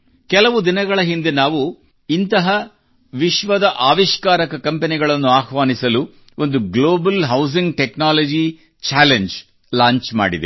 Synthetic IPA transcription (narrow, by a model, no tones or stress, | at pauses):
kɛlɐʋud̪inɐɡɐɭɐɦind̪e̞naːʋu | int̪ɐɦɐ | ʋiʃʋɐd̪ɐʔaːʋiʃkaːɾɐkɐkɐmpeniɡɐɭɐnːuaːxʋaːnisɐlu | ond̪uɡloːbɐlɦɐws̬iŋɡʈeknaːlɐd͡ʒi | t͡ʃaːleɲd͡ʒ | laːɲt͡ʃma̰ːɽid̪ḛ